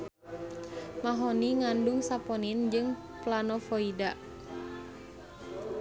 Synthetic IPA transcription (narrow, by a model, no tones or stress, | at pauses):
maɦɔniŋandʊŋsapɔnind͡ʒɨŋ | planɔfɔida